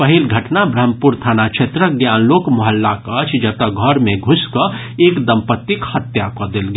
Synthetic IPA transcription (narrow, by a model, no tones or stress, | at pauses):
pəɦilɡʱəʈnabɾəmpuɾt̪ʰaːnaʃʰet̪ɾəɡjaːnloːkmɔɦəlːakət͡ʃʰd͡ʒət̪əɡʱɔɾmẽɡʱʊskə | eːkd̪ɐmpət̪ːikhət̪jakod̪elɡ